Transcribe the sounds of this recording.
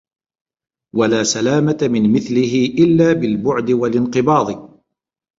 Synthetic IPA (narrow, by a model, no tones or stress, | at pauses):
walaːsalaːmat̪amɪnmɪθlɪɦɪʔɪlːaːbɪlbʊʕd̪ɪwalɪnqɨbɑːd̪ˤ